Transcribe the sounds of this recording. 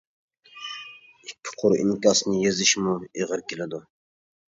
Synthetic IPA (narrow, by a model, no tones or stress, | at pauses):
ikʲʰːɪ̥qʰʊɾḭŋkʲɑsnɨjezɪʃmueʁəɾkʲelɪd̪u